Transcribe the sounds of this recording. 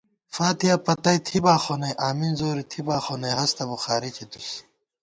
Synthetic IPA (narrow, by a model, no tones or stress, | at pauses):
faːt̪ijɐpɐt̪ɐjt̪ʰibaːxonɐjʔaːminzoːɾit̪ʰibaːxonɐjɦɐst̪ɐbuxaːɾit͡ɕʰid̪us